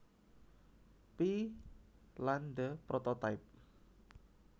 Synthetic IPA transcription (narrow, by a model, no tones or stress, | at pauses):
pi | land̪əpɾɔt̪ɔt̪aɪp̚